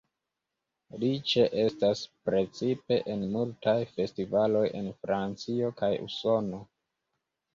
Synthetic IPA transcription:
lit͡ʃe̞ʔe̞staspɾe̞t͡sipe̞ʔenmultajfe̞stivalo̞je̞̰nfɾant͡sio̞kajṵso̞no̞

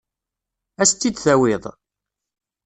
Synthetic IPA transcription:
æst̪ːid̪θæwɪðˤ

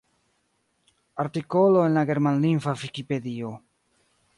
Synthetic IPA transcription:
aɾtiko̞lo̞enlaɡe̞ɾmanlinfavikipe̞dio̞

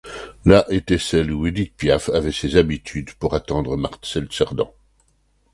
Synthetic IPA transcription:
laʔet̪ɛsɛlued̪it̪̚pjafavɛsezabit̪ʰyd̪puʁat̪ɑ̃d̪ʁəmaʁt̪sɛlsɛʁd̪ɑ̰̃

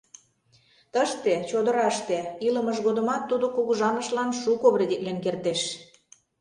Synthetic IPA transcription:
t̪əʃt̪et͡ɕod̪əɾɑʃt̪eiləməʒɣod̪ə̆mɑt̪ːud̪okuɣuʒɑnəʃlɑnʃukoβɾed̪eklenkert̪eʃ

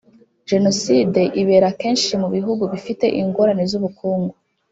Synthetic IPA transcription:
ʒe̞noside̞ʔiβe̞ːɾakeːnʃimuβiɦuɡuβifite̞ʔiŋɡo̞ɾanezuβukʰuːŋɡu

